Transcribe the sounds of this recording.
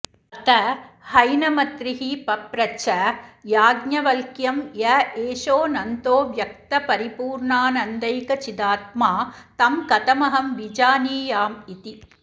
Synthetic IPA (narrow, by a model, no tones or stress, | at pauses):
ɐt̪ɐhɐjnɐmɐt̪ɾɪɦipɐpɾɐt͡ʃɐjaːɡɲɐʋɐlkjɐmjɐeːʂoːnɐnt̪oːʋjɐkt̪ɐpɐɾipuːɾɳaːnɐnd̪ɐjkɐt͡ʃɪd̪aːt̪̚maːt̪ɐmkɐt̪ɐmɐɦɐmʋid͡ʒaːniːjaːmit̪i